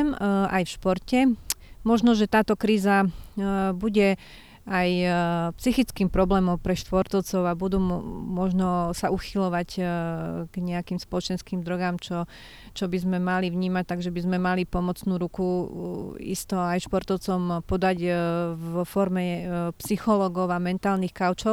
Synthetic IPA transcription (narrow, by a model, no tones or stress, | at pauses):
mʔajfʃpɔɾcɛmɔʒnɔʒɛt̪aːt̪ɔkɾiːza | buɟɛ | ajpsixit͡skiːmpɾɔblɛːmɔmpɾɛʃt̪ʋɔɾt̪ɔʊt͡sɔʊabud̪uːmɔʒnɔsauxilɔʋac | ɡ̥ɲɛakiːmspɔlɔt͡ʃɛnskiːmd̪ɾɔɡamt͡ʃɔ | t͡ʃɔbizmɛmaliʋɲiːmac̚t̪aɡʒɛbizmɛmalipɔmɔt͡snuːɾuku | ḭst̪ɔajʃpɔɾt̪ɔʊt͡sɔmpɔd̪aɟvɔfɔɾmɛpsixɔlɔɡɔʊamɛnt̪aːlnixkaʊt͡ʃɔʊ